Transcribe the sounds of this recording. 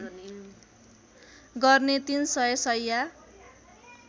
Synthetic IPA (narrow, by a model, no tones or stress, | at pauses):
ɡʌrnet̪insʌjʌsʌjːa